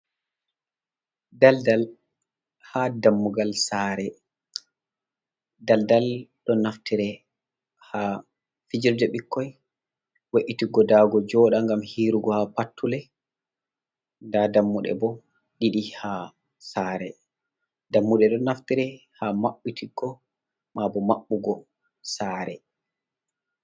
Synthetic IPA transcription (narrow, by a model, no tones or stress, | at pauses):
daldal | hadamːuɡalsaːɾɛ | daldalɗɔnaftiɾɛ | ha | fid͡ʒiɾdɛɓikʰːɔj | weʔitiɡɔdaːɡɔd͡ʒɔɗaŋɡamhiːɾuɡɔhapatʰːulɛ | dadamːuɗɛ̰bɔ | ɗiɗiha | saːɾɛ | ddamːuɗɛɗɔnaftiɾɛhamaɓːitʰiɡɔ | mabɔmaɓːuɡɔ | saːɾɛ